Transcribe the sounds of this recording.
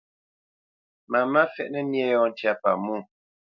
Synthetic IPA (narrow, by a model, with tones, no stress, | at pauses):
ma˨ma˦fɛ˦ʔnɛ˦mjɛ˦jɔ˦n˦tja˦pa̰˨mu˦˨